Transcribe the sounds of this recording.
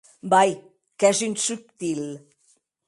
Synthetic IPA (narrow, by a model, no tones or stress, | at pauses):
baj | kɛzynsuk̚t̪il